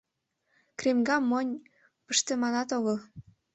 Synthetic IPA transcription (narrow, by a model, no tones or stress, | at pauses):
kremɡɑmːonʲ | pəʃt̪ĕmɑnɑt̪oɣɤl